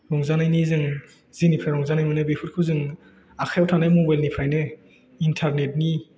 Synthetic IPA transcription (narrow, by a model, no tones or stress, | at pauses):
ɾɔŋzanajnizɯŋ | zinipʰɾajɾɔŋzanajmɯnɯbepʰut̚kʰɯzɯŋ | akʰajawtʰanajmɔbajlnipʰɾajnɯ | intʰaɾnet̚ni